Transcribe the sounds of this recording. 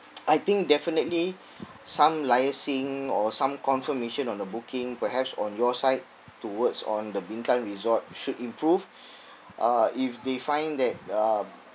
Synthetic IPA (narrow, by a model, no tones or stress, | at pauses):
ʔajt̪ĩŋk̚dɛfinətli | sãmlajəsĩŋɔsãmkɔ̃nfəmeʃə̃nɔ̃ndəbukĩŋpəɦɛpsɔ̰̃njɔsaɪt | tːuwətsɔ̰̃ndəbĩŋkãnɹizɔt̚ʃudĩmpɹuv | ʔaifdefãɪ̃ndɛt̚a